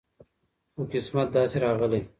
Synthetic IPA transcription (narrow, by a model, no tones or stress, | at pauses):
okɪsmat̪̚d̪ɑːseɾɑːɣəle